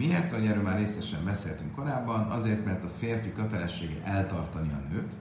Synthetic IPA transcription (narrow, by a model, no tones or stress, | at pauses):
mieːrt̪ɒoɟɛɾøːlmaːrːeːsɛʃɛmbɛseːlt̪yŋkko̞ɾaːbːɒnɒzeːrt̪mɛrt̪ɒfeːrfikøt̪ɛlɛʃːeːɡɛ̰ʔɛlt̪ɒrt̪ɒniɒ̰nøːp